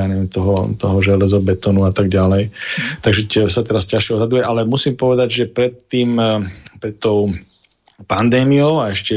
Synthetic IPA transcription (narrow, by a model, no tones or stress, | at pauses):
anɛʋɛmt̪ɔɦɔt̪ɔɦɔʒɛlɛzɔbɛt̪ɔnuat̪aɡɟalɛjt̪aɡʒɛsat̪ɛɾascaʃɛɔzɦad̪ujɛʔalɛmusiːmpɔʋɛd̪aɟʒɛpɾɛt̪ːiːmpɾɛt̪ːɔʊ | pand̪ɛːmioʊaɛʃcɛ